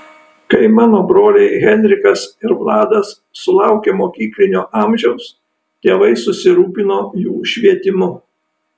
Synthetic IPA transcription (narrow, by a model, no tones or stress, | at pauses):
kɐɪmɑːnoːbɾoːlʲɛɪɣʲɛnʲɾʲɪkɐsɪɾʋlˠɑːd̪ɐsːʊlˠɑˑʊkʲeːmoːkʲiːklʲɪnʲoːʔɑmʲʒʲɛʊs | t̪ʲeːʋɐɪsʊsʲɪɾuːpʲɪnoːjuːʃʲʋʲiɛt̪ʲɪmʊ